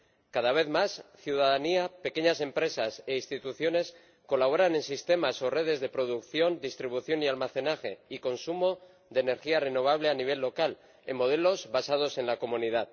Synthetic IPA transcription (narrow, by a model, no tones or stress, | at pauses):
kaðaβ̞e̞ðmasθjuðaðaniape̞ke̞ɲase̞mpɾe̞sase̞inst̪it̪uθjo̞ne̞s | ko̞laβo̞ɾanẽ̞nsist̪e̞maso̞re̞ð̞e̞zðe̞pɾo̞ð̞ukθjo̞nd̪ist̪ɾiβuθjo̞nialmaθe̞naxe̞iko̞nsumo̞ | ðene̞ɾxiare̞no̞β̞aβ̞le̞aniβ̞e̞lːo̞kal | e̞̰mːo̞ð̞e̞lo̞zβasað̞o̞se̞nlako̞mũnið̞að